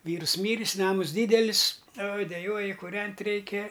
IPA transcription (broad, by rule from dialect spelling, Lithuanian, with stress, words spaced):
ˈʋʲiːrs ˈmʲiːrʲɪs ˈnɑːmʊs ˈdʲiːdʲɛlʲɪs oːj dʲɛˈjuɔjɪ kuːˈrʲɛnʲtʲ ˈrʲɛɪkʲɛ